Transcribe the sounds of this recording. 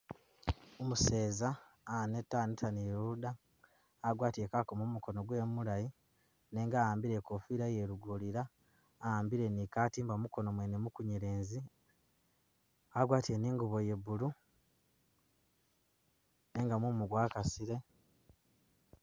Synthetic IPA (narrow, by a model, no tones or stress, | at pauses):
omuse̞ːzaː | netːaːnitaniɾuudaː | ɡwaːtiekakomumuko̞no̞ɡwe̞ːmulaji | ne̞ŋɡaːjaːmbiɾekofiɾajeɾuɡoliɾaː | aːmbiɾe̞nikaːtiːmbamuko̞no̞mwenemukuɲiɾeːnzi | aɡwaːtie̞niːŋɡuβo̞je̞βulu | ne̞ːŋɡamumuɡwaːkasiɾe̞